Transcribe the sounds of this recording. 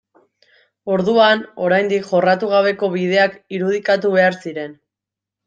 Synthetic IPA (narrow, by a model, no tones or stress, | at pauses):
o̞ɾðuano̞ɾajnd̪ikʝo̞rat̪uɣ̞aβe̞ko̞βið̞e̞akiɾuð̞ikat̪̬uβe̞aɾsiɾe̞n